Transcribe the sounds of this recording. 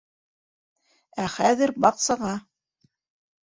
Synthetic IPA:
æχæðɘɾbɑqsɑʁɑ

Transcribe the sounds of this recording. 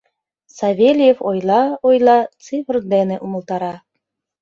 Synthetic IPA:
sɑβʲelʲjefojlˠɑojlˠɑt͡sɨfərd̪enĕʔumə̆lˠt̪ɑɾɑ

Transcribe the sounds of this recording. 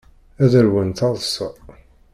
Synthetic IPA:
æðəɾwənt̪ɑðˤsə

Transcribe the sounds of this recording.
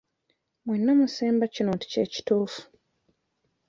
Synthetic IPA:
mwenːomuseːmbacinoːti̥ceːci̥tuːfu̥

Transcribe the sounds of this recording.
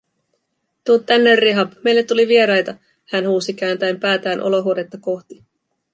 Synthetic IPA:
t̪uot̪ːænːerːiɦɑpme̞jlːet̪ːuliʋie̞ɾɑjt̪ɑ | hænhuːsikæːnt̪æjmpæːt̪æːnʔo̞̰lo̞ɦuode̞t̪ːɑko̞xt̪i

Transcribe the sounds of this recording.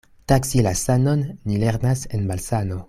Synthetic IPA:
taksilasanonːileɾnasenbalsano̞

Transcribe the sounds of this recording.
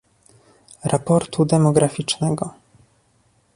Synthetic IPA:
ɾʔapɔɾt̪ʰud̪ɛmɔɡɾafʲit͡ʂnɛɡɔ

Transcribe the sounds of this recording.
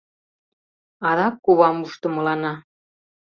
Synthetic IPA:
ɑðɑkːuβɑmuʃt̪ə̆mɤ̆lɑnɑ

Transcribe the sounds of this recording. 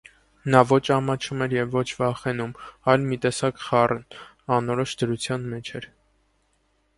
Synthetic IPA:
nɑvɔt͡ʃʰɑmɑt͡ʃʰumɛɾjɛvːɔt͡ʃʰvɑχɛnumɑjlmit̪ɛsɑkχɑrn | ɑnɔɾɔʃd̪əɾut͡sʰjɑnmɛt͡ʃʰɛɾ

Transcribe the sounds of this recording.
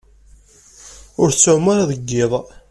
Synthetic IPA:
ʊɾt͡sːʊʕmːəɾaðəɡːɪðˤ

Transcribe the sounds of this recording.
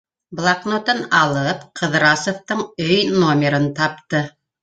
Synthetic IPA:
blˠɑknot̪ɤnɑlˠɤpqʰɤ̆ðɾɑsoft̪ɤɴɵjnomʲɪɾɤnt̪ɑp̚t̪ɤ

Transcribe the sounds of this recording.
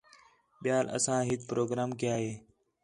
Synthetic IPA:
ɓɪjaːlə̰sãːɦɪt̪̚pɾoːɡɾaːmkɪjaːɦeː

